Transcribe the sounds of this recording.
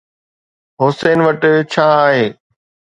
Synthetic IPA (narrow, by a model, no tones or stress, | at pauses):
ɦoseːnʋəʈt͡ɕʰaːɦeː